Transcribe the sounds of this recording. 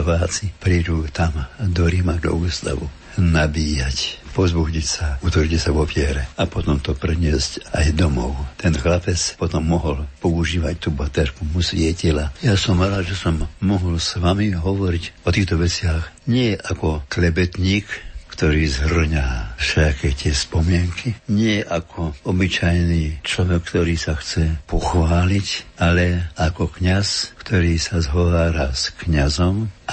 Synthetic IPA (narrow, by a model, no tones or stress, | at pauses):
ʋaːt͡sipɾijd̪ut̪amd̪ɔɾimaɡlɔ̰ɡust̪a̰ʋu | nabiːjacpɔzbuɦɲicsaut̪ʋrɟicsaʋɔfɪɛɾɛapɔt̪ɔmt̪ɔpɾɛɲɪɛscajd̪ɔmɔʊt̪ɛnxlapɛt͡spɔt̪ɔmːɔɦɔlpɔuʒiːʋac̚t̪ubat̪ɛɾkumusʋɪɛcilajasɔmʋɛlaʒɛsɔmːɔɦɔlsʋamiɦɔʋɔɾicɔt̪iːxt̪ɔʋɛt͡sɪaxɲɪɛʔakɔklɛbɛt̪ɲiːkːt̪ɔɾiːzɦr̩ɲaːfʃɛakɛt̪ɪɛspɔmɪɛŋkʰiɲɪɛʔakʰɔɔbit͡ʃajniːt͡ʃlɔʋɛkkːt̪ɔɾiːsaxt͡sɛpɔxʋaːlicalɛakɔkɲaskt̪ɔɾiːsazɦɔʋaːɾaskɲazɔmʔa